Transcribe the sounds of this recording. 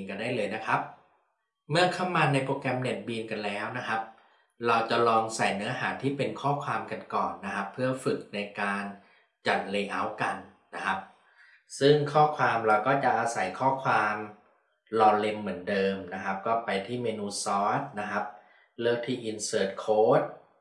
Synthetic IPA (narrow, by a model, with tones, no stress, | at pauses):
nka˧ndaː˥˩jlɤː˧jna˦˥kʰa˦˥p̚ | mɯ˥˩ɐkʰa˥˩wmːaː˧na˧jpɾoː˧kɛ˧mne˨˩t̪̚biː˧nka˧nlɛː˦˥wna˦˥kʰa˦˥p̚ | ɾa˧wt͡ɕa˨˩lɔː˧ŋsa˨˩jnɯ˦˥ɐɦaː˩˦t̪ʰiː˥˩pe˧nkʰɔː˥˩kʰwaː˧mka˧nkɔː˨˩nːa˦˥kʰa˦˥pʰːɯ˥˩ɐfɯ˨˩k̚na˧jkaː˧n | t͡ɕa˨˩t̪̚leː˧ʔa˦˥wka˧nː | a˦˥kʰa˦˥p̚ | sɯ˥˩ŋkʰɔː˥˩kʰwaː˧mɾa˧wkɔː˥˩t͡ɕa˨˩ʔaː˧sa˩˦jkʰɔː˥˩kʰwaː˧m | lɔː˧le˧mːɯ˩˦əndɤː˧mna˦˥kʰa˦˥p̚kɔː˥˩pa˧jt̪ʰiː˥˩meː˧nuː˧sɔː˦˥t̪̚na˦˥kʰa˦˥p̚ | lɤː˥˩k̚t̪ʰiː˥˩ʔi˧nsɤː˦˥t̪̚kʰoː˦˥t̪̚